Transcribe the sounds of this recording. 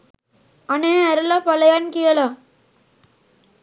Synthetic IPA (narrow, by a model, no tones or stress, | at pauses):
ɐnẽɐɾɐlaːpɐlɐjaːnkɪjɐla